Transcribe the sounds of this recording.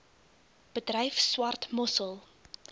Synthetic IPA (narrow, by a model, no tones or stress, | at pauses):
b̥ədrɛjfswɐrtmɔsəlˠ